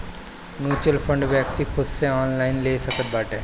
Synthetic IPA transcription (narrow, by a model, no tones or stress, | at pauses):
mjuːt͡ʃɾəlfʰə̃ɳɖʋjək̚t̪ikʰʊd̪seaːnlaːɪnleːsəkət̪̚baːʈɦɛ̃ː